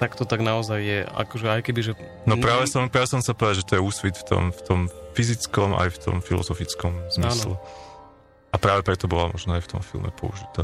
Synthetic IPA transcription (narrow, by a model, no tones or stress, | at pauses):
t̪akt̪ɔt̪aɡnaɔzajːɛa̰kɔʒɛajkɛbiʒɛ | nɔpɾaːʋɛsɔmpɾaːʋɛsɔmsapɔʋɛd̪aʒɛt̪ɔjɛuːsʋit̪ft̪ɔ̰mft̪ɔmfizit͡skɔmʔa̰jft̪ɔ̰mfilɔ̰zɔfit͡skɔmzmiːslɛ | apɾaːʋɛpɾɛt̪ɔbɔlamɔʒnɔajft̪ɔ̰mfḭlˠmɛ̰pɔ̰ṵʒit̪a̰ː